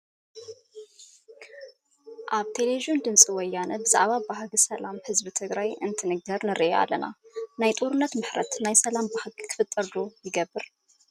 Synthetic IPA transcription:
ʔaβt̪ʰe̞leβiʒijond̪ɨnsʼiwɔjːanɐbɨza̰ʕβabahɡisɐlamhɨzbit̪ʰɨɡɾajʔɨnt̪ʰɨnɨɡɐɾnɨɾiʔeʔa̰lːɐna̰najt̪ʼuɾɨnːɐt̪mɨħɾɐt̪najsɐlambahɡɨkʰɨ̥fɨt̪ʼːɐɾd̪ojɪɡɐbːɨɾ

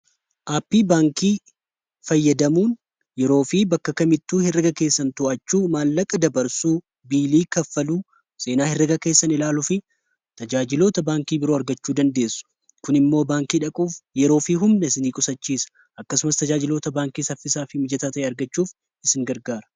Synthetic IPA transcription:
ʔaːpːiːbaːŋkiː | fɐjːɐd̪ɐmuːn | jɛɾo̞ːfiːbɐkːɐkɐmɪt̪ːuːhɪrɪɡɐke̞ːsːɐnt̪ʊʔɐt͡ʃːuːmaːlːɐkʼɐd̪ɐbɐɾsuː | biːliːkɐfːɐluː | se̞ːnaːhɪrːɪɡɐke̞ːsːɐnɪlaːlʊfɪ | t̪ɐd͡ʒaːd͡ʒɪlo̞ːt̪ɐbaːŋkiːbɪɾoːɐɾɡɐt͡ʃːuːd̪ɐnd̪e̞ːsːʊ̥ | kʊnɪmːo̞ːbaːŋkiːᶑɐkʼuːfjɛɾo̞ːfiːɦʊmnɐsɪniːkʼʊsɐt͡ʃːiːsɐ̥ | ʔɐkːɐsʊmɐst̪ɐd͡ʒaːd͡ʒɪlo̞ːt̪ɐbaːŋkiːsɐfːɪsaːfɪmɪd͡ʒɐt̪aːt̪ɐʔeːɐɾɡɐt͡ʃːuːf | ɪsɪŋɡɐɾɡaːɾɐ̥

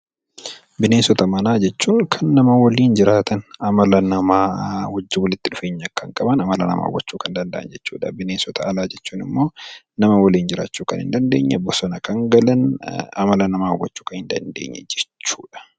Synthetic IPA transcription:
bɪneːsɔt̪ɐmɐnaːd͡ʒɛt͡ʃːuːŋkʰɐnːɐmɐwɐliːnd͡ʒɪɾaːt̪ɐnɐmɐlɐnɐmaːwɐd͡ʒːɪwɔlɪt̪ːɪᶑʊfe̞ːɲːɐkːɐŋkʼɐbɐnɐmɐlɐnɐ̰ma̰ːwːɐt͡ʃːuːkɐnd̪ɐnd̪ɐʔɐnd͡ʒɛt͡ʃːṵːᶑɐbɪneːsɔt̪ʰɐɐlaːd͡ʒɛt͡ʃːuːnɪmːo̞ː | nɐmɐwɐliːnd͡ʒɪɾa̰ːt͡ʃːuːkɐnɪ̰nd̪ɐnd̪e̞̰ːɲːɐ̰bɔsɔnɐkɐŋɡɐlɐnɐ̰mɐlɐnɐmaːwːɐt͡ʃːuːkɐnhɪnd̪ɐnd̪ḛːɲːɛ̰d͡ʒɛt͡ʃːuːᶑɐ̥

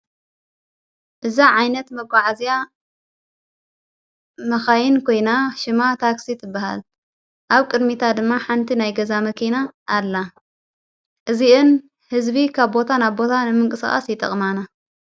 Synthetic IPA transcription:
ʔɨzaʕajnɐt̪mɐɡʷaʕazija | mɐxajɪnkʰo̞jnaʃɪmat̪ʰaksit̪ʰɨbːaha̰l | ʔaβkʼɨd̪mit̪ʰad̪ɨmːaħant̪ʰinajɡɐzamɐkʰinaʔːlːa | ʔɨziʔɨn | hɨzbikʰaβbo̞t̪ʰanaβbo̞t̪ʰanɨmɨŋkʼɨsa̰xʼa̰sjɪt̪ʼɐ̰χʼmana

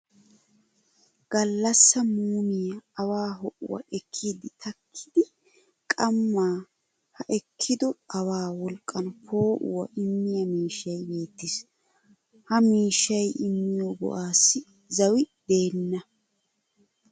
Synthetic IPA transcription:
ɡ̥ɐlːɐsːɐmuːmɪjɐːwaːɦɔʔʊ̰wɐ̰ʔɛkʰːiːd̪ɪt̪ʰɐkʰːɪd̪ɪ | kʼɐmːaː | hɐʔɛkʰːɪd̪ɔɐwaːwɔlkʼːɐnpʰoːʔʊ̰wɐ̰ʔɪmːɪjɐmiːʃːɐjbe̞ːt̪ːɪs | hɐmiːʃːɐjɪmːɪjoɡɔ̰ʔaːsːɪ | zɐwɪd̪̥e̞ːnːɐ

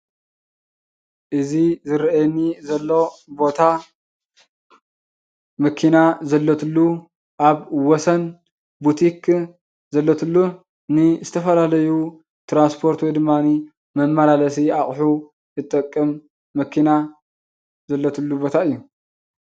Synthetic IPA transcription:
ʔɨzizɨɾʔɛnːizɐlːo̞bo̞t̪ʰa | mɐkʰinazɐlːot̪ʰɨlːu | ʔaβwɔsɐn | but̪ʰikʰ | zɐlːot̪ʰɨlːu | nɨzɨt̪ʰɐfɐlalɐju | t̪ɾanspʰo̞ɾt̪wɔjd̪ɨmːani | mɐmːɐlalɐs̬iaχʼħu | ɨt̪ʼːɐkʼːɨmː | ɐkʰina | zɐlːot̪ʰɨlːubo̞t̪ʰaɨjːu

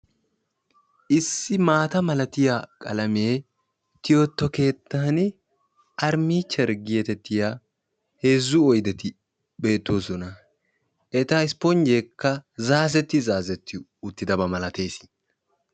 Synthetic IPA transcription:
ʔɪsːɪmaːt̪ɐmɐlɐt̪ɪjakʼɐ̰lɐmeː | t̪ɪjot̪ːɔke̞ːt̪ːaːn | ʔɐɾmiːt͡ʃːɛɾɡɪjɛt̪ɛt̪ːɪja | heːzːʊɔjd̪ɛt̪ɪ | be̞ːt̪ːo̞ːsɔnɐ | ʔɛt̪ɐɪspɔnd͡ʒekːɐzaːzɛt̪ːɪzaːzɛt̪ʰːɪ | ʊt̪ːɪd̪ɐbɐmɐlɐt̪e̞ːsɪ̥

